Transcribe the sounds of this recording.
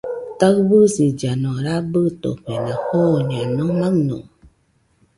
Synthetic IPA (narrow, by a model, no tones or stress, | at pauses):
təɣbɨsid͡ʒanɔ̃ɾabɨto̰ɸɛnãhoɲiãnɔ̃ŋmãŋnõ̰